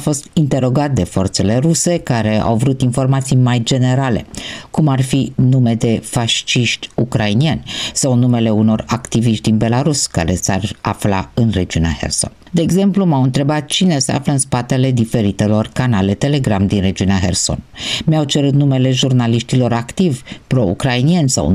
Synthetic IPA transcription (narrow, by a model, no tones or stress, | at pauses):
fo̞st̪int̪e̞ɾo̞ɡat̪̚d̪e̞fo̞rt̪se̞le̞ɾuse̞kaɾe̞a̰wvɾut̪info̞rmat̪sijmajd͡ʒe̞ne̞ɾale̞̰kumarfinume̞d̪e̞faʃt͡ʃiʃt̪ʲukɾainienʲsawnume̞le̞uno̞rakt̪iviʃt̪̚ʲd̪inbe̞laɾuska̰ɾe̞sara̰fla̰ɨnre̞d͡ʒiunea̰hḛrso̞̰nd̪e̞ːɡze̞mplumawɨnt̪ɾe̞bat̪̚t͡ʃine̞se̞a̰fləɨnspat̪e̞le̞d̪ife̞ɾit̪e̞lo̞rkanale̞t̪e̞le̞ɡɾamd̪inre̞d͡ʒiuneaxe̞̰rso̞̰nmeawt͡ʃe̞ɾut̪̚nume̞le̞ʒurnaliʃt̪ilo̞ɾakt̪ivʲpɾo̞ṵkɾainienʲsa̰w